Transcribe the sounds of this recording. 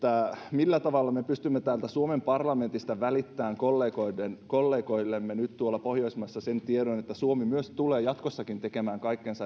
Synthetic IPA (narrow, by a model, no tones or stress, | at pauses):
t̪ːæmilːæt̪ɑʋɑlːɑmepyst̪ymːet̪æːlt̪æsuomempɑrlɑment̪ist̪ɑʋælit̪ːæːŋkolːeːkoidenkolːeːkoilːemːenyt̪t̪uolːɑpohjoismɑsːɑsent̪ieɾonet̪ːæsuomimyøst̪uleːjɑt̪kosːɑkint̪ekemæːŋkɑikːensɑ